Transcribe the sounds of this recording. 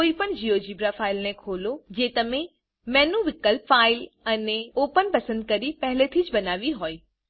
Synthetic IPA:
koːipəñd͡ʑiod͡ʑiːbɾafaːɪlnẽkʰoːlod͡ʑeːt̪ɐmẽ | mɛːnuʋɪkəlpfaːɪlɐneoːpənpɐsə̃nd̪̚kɐɾipɐɦɪlet̪ʰiːd͡ʑbɐnaːʋiɦoːe

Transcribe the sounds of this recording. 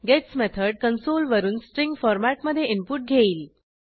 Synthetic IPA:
ɡesmet̪ʰəɾɖ̚kənsolʋəɾuːnsʈɾiŋɡfɔɾmæʈməd̪ʱːjeimpuʈ̚ɡʱeiːl

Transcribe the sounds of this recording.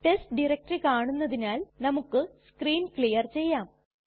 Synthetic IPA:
ʈestɖirek̚ʈrikaːɳunːɐðinaːlnɐmukːɨskriːnkɭijɐrt͡ɕe̞jːaːm

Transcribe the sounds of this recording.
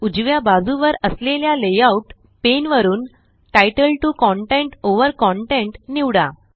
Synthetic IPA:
ud͡ʑʋjabad͡zuʋəɾəsleljalejauʈ | penʋəɾuːn | ʈajʈəlʈukɔɳʈẽɳʈoʋəɾkɔɳʈeɳʈniʋɽa̰

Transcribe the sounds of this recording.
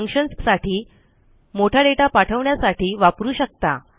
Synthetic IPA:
ŋkʂənssaʈʰiː | moʈʰjaɖeʈapaʈʰəʋɳjasaʈiːʋapɾuːɕək̚t̪a̰

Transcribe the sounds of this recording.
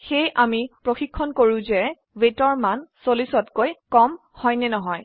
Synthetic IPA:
xejʔamipɹoxikʰːɔnkoɹũzɛ | wetɔɹmansolisɔtkojkɔm | hɔjnɛnɔɦɔj

